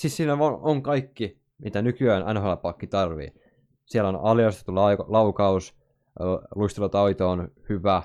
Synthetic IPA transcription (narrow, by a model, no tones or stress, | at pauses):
sissiːnæonoŋkɑikːi | mit̪ænykyæːnʔæ̰nholɑpɑkːit̪ɑrʋḭː | sielonɑ̰ljɑst̪e̥t̪ːulɑlɑukɑus | luist̪elɑt̪ɑit̪oːnhyʋæ